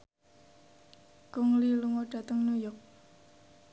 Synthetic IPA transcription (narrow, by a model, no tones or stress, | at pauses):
kʊŋliluŋoɖ̥a̤t̪əŋnujɔk̚